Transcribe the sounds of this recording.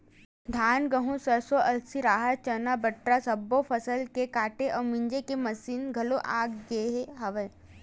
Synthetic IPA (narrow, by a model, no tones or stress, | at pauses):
d̪ʱaːnɡəɦũsɐɾsoʔɐlsiɾaːɦət̪̚t͡ʃɐnabɐʈɾasɐbːofʰɐsəlkekaːʈeʔɐːmɪ̃ɲd͡ʒekemɐsiːnɡʱɐloʔa̰ːɡɡeːɦeɦɐʋə